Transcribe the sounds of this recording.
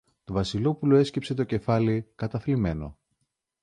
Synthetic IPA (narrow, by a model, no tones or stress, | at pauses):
t̪ovɐsilo̞puloe̞scepse̞t̪o̞ce̞fɐlikɐt̪ɐθlime̞no̞̰